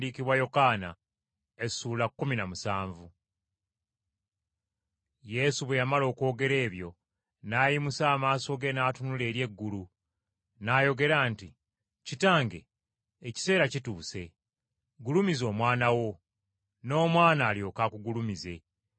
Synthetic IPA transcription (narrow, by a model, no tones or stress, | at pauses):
diːkiβwajo̞kaːna | e̞suːlakːuminamusaːɱvu | je̞suβwejamalo̞ːko̞ːɡe̞ɾe̞ːβjo̞ | naːjimusaːmaːso̞ɡe̞naːtunule̞ːɾje̞ɡːulu | naːjo̞ɡe̞ɾaːnti | citaːŋɡe̞̰ː | ci̥se̞ːɾacituːse̞ | ɡulumizo̞ːmwaːnawo̞ | no̞ːmwaːnaːljo̞ːkakuɡulumize̞